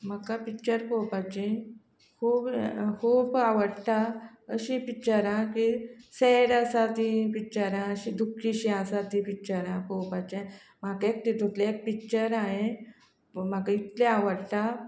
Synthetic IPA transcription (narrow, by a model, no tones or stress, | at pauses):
m̤akapikt͡ɕəɾpowpat͡ɕẽ | kʰuːbkʰuːbaʋəɽʈa | əɕĩpikt͡ɕəɾãkiseɽasat̪ĩpikt͡ɕəɾãəɕĩd̪ʱukʰːiɕĩasat̪ĩpikt͡ɕəɾãkowpat͡ɕẽ | m̤akaek̚ʈ̪id̪ʱut̪leek̚pik̚t͡ɕəɾaɦe | m̤akait̪leaʋəɽʈ̪a